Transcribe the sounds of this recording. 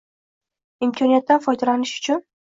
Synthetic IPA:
ɪmkʰɒnijat̪ːanfɒjd̪alanɪʃʊ̥t͡ʃʰʊn

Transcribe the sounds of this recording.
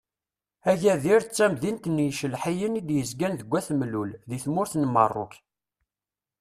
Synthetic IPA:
æʝæðiɾt͡sːæmðint̪nːjʃəlħijənid̪jəzɡænðəɡʷːæθmlulðiθmʊɾθnəmə̰rˤːʊ̰k

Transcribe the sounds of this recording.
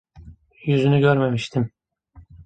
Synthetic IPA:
jyzynyɟø̞ɾmemiʃt̪ʰim

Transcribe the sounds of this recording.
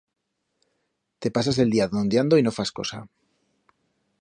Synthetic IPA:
t̪e̞pasas̬e̞ld̪iaðond̪jand̪oino̞fasko̞̰sa̰

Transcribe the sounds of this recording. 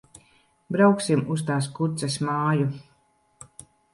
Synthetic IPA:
bɾawksimust̪aːs̬kuɾt̪sɛsmaːju

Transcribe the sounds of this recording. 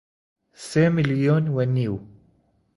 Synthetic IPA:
semiljonwaniːw

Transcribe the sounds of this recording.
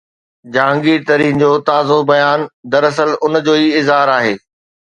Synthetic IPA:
d͡ʑãːŋɡiːɾt̪ɐɾĩːnd͡ʑoːt̪aːzobɐjaːnd̪ɐɾɐs̬əlʊnd͡ʑoːiɪzɦaːɾaːɦeː

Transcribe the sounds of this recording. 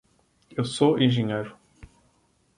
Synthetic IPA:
ewsoẽʒẽɲejɾʊ

